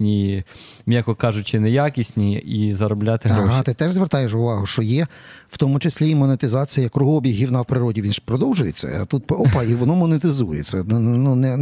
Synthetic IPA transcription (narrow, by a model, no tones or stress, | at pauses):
nʲi | mʲjʲakɔkɑʒʊt͡ʃɪnɛjakʲisʲnʲiizɐɾɔblʲat̪ɪɦɾɔɦʃt̪ɪt̪ɛʒzʋert̪ɑjeʃʊʋɑɦʊʃt͡ʃɔjɛ | w̥t̪ɔmʊt͡ʃesʲlʲimɔnet̪ɪzɑt͡sʲijɐjɐkɾʊɦɔbʲiɦʲiwnɑwpɾɪɾɔdʲiʋʲinʒpɾɔd̪ɔwʒʊjet͡sʲːɐ̰ɐ̰t̪ut̪̚pɔpɑiʋɔnɔmɔnet̪ɪzujɛ̰t͡sʲːɐnunɛ